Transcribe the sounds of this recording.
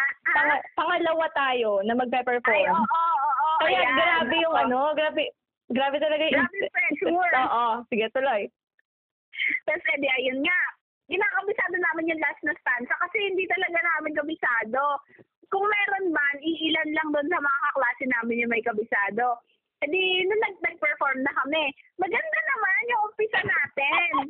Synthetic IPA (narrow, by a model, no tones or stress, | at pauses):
aʔpɐŋɐpɐŋɐlɐwat̪aːjo̞nɐmɐɡ̚pɛpɛɹfoɾʔkɐjaɡɾaːbɛjʊŋʔɐno̞ɡɾaːbɛ | ɡɾaːbɛt̪ɐlɐɡajpɛsoːʔosɪɡɛt̪ʊlo̞j | t̪ɐsɛd̪ɛʔɐjonŋaʔ | ɡɪnaːkɐbɪsaːd̪onaːmɪnjʊŋlasnɐst̪ansɐkɐsɛhɪnd̪iːt̪ɐlɐɡanaːmɪnkɐbɪsaːd̪o̞ | kʊŋmɛːɾo̞nmanʔɪʔɪlanlɐŋd̪ʊʔnsɐmɐŋakɐklaːsɛnaːmɪnjʊŋmɐjkɐbɪsaːd̪o̞ | ʔɛd̪inʊnːɐɡ̚nɐɡ̚pɛɹfoɹmnɐkɐmɛmɐɡɐnd̪anɐmanjʊŋʔʊmpɪsɐnaːt̪ɛn